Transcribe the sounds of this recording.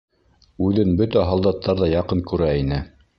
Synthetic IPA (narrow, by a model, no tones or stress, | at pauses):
ʉðɘnbɵt̪æɦɑlˠd̪ɑt̪ʰːɑɾðɑjɑqɤŋkʉɾæinɘ